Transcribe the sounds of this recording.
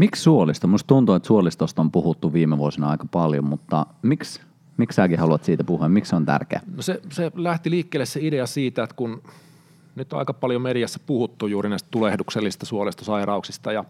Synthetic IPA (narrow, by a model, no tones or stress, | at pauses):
mikssuolist̪omust̪t̪unt̪uet̪suolist̪ost̪ompuhut̪ːuʋʋiːmeʋuosinɑɑikɑpɑljo̰mut̪ːɑmiks | miksæːkihɑluɑt̪siːt̪æpuhuɑmmiksont̪æ̰rkḛæ̰noseselæht̪iliːkːeːlːesseideɑsiːt̪æet̪kun | nyt̪ːɑ̰ikɑpɑljomeɾijæsːæ̥puhut̪ːujjuːɾinæist̪t̪ulehdukselːisist̪ɑsuolist̪osɑirɑuksist̪ɑjɑ